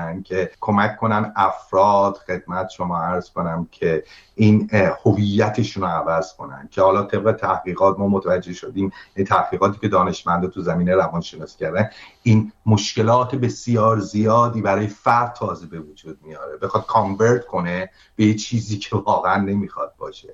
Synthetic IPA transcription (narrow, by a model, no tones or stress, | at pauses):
æn̚cʰe̞kʰo̞mækʰːo̞nænæfɾɒːd̪̥xe̞d̪̥̚mæt̪ʰʃo̞mɒːæɾz̥ko̞næmcʰe̞ | ʔiːnhovijːæt̪ʰe̞ʃunoævæz̥kʰo̞næ̰nd̪̥cʰe̞hɒːlɒːt̪ʰe̞b̚ɣe̞t̪ʰæhɡiːɣɒːt̪mɒːmot̪ʰævæd͡ʒːe̞hʃo̞d̪iːmjænit̪ʰæhɡiːɣɒːt̪ʰiːcʲʰe̞d̪ɒːne̞ʃmænd̪ɒːt̪ʰuzæmiːneɾævɒnʃenɒːscæɾd̪æniːnmoʃce̞lɒːt̪ʰebe̞sjɒːɾzijɒːd̪iːbæɾɒːjefæɾt̪ʰːɒːzebe̞vod͡ʒuːd̪̥̚mijɒːɾebe̞xɒːd̪̥̚kʰɒɱveɾt̪kʰo̞ne | b̥ejet͡ʃʰiːziːcʰe̞vɒːɣeænːe̞miːxɒ̰d̪̚bɒ̰ːʃe